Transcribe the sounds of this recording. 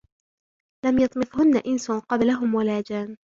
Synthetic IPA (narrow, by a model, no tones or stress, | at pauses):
lamjɑt̪ˤmɨθhʊnːaʔɪnsʊnqɑblaɦʊmwalaːd͡ʒaːn